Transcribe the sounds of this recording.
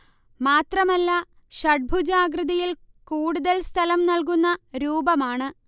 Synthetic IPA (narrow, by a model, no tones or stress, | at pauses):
maːt̪rɐmɐlːɐ | ɕɐʈ̚bʱud͡ʑaːɡɾɨðɐjil | kuːɽuðɐlst̪ʰɐlɐmnɐlk̬unːɐɾuːbɐmaːɳɨ